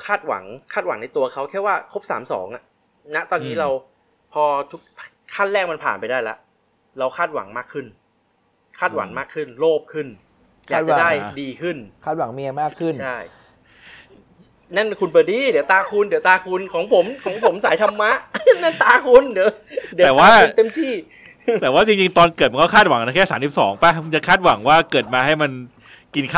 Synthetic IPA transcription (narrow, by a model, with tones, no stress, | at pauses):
kʰaː˥˩t̪̚wa̰˨˩˦ŋkʰaː˥˩t̪̚wa̰˨˩˦ŋna˧jt̪u˧ɐkʰa˦˥wkʰɛː˥˩waː˥˩kʰo˦˥p̚sa̰ː˩˦msɔ̰ː˩˦ŋʔa˨˩ʔ | na˦˥t̪ɔː˧nːiː˦˥ɾa˧w | pʰɔː˧t̪ʰu˦˥k̚p | kʰa˥˩nlɛː˥˩k̚ma˧npʰa̰ː˨˩npa˧jdaː˥˩jla̰˦˥ʔ | ɾa˧wkʰaː˥˩t̪̚wa̰˩˦ŋmaː˥˩kʰɯ˥˩n | kʰaː˥˩t̪̚wa̰˩˦ŋmaː˥˩kʰːɯ˥˩nloː˥˩p̚kʰɯ˥˩n | lɛ˦˥a˦˩daː˥˩jdiː˧kʰɯ˥˩nʰaː˥˩t̪̚wa˩˦ŋmi˧ɐmaː˥˩kʰɯ˥˩t͡ɕnt͡ɕʰa˥˩j | na˥˩nkʰu˧npa˨˧˩diː˧˩dwt̪aː˧kʰu˧ndi˨˦wt̪aː˧kʰu˧nkʰɔː˩˦ŋpʰo˨˩˦mkʰɔː˨˩˦ŋpʰo˩˦msa˨˩˦jt̪ʰa˧mːa˦˥ʔna˥˩nt̪aː˧kʰu˧ndi˨˩˦wdi˨˦ɛː˨˩waː˥˩˧t̪e˧mt̪ʰiː˥˩ | t̪ɛː˨˩waː˥˩t͡ɕi˧ŋt͡ɕi˧ŋt̪ɔː˧nkɤː˨˩t̪̚m˧nkʰɔ˥˩kʰaː˥˩t̪̚wa˨˩˦ŋna˧˥kʰɛː˥˩saː˩˦nsi˨˩psɔː˩˦ŋpa˧˩˧t͡ɕa˨˩kʰaː˥˩t̪̚wa˩˦ŋwaː˥˩kɤː˨˩t̪̚maː˧ɦa˥˩jma˧n | ki˧nkʰa˥